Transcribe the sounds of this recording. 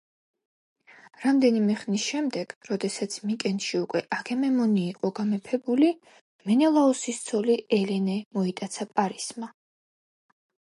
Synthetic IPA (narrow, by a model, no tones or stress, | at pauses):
ɾamd̪ɛnimɛχnisʃɛmd̪ɛɡ̥ɾɔd̪ɛsat̪sʰmikʼɛnʃiukʼwɛʔaɡɛmɛmɔniːqʼɔɡamɛpʰɛbuli | mɛnɛlˠaɔsist̪sʰɔliɛlɛnɛmɔit̪ʼat̪sʰapʼaɾisma